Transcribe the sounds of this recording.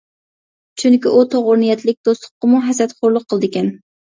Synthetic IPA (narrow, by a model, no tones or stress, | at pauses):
t͡ʃʰyŋkʲiʔut̪ʰoʁʊɾnɨjɛt̪lɪk̚ʲd̪ost̪ʰʊ̥qːəmuɦɛsɾɛt̪χoɾlˠʊqʰːəlˠd̪ɪkʲɛn